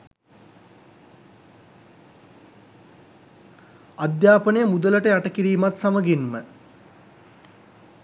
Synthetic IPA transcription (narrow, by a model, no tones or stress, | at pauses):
ad̪jaːpənəjəmud̪ələʈəjaʈəkiɾiːmat̪saməɡinmə